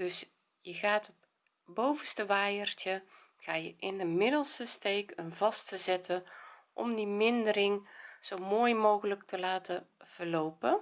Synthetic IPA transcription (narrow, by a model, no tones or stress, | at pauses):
d̥ɵs | jəɣaːtɔ | bowvəstəʋaːjəɹtjə | ɣaːjəʔɪndəmɪdəlˠstəstejkənvɑstəzɛtəʔɔ̰mdimɪndəɾɪŋz̥owmoːjmowɣələktəlaːtəv̥ərlowpə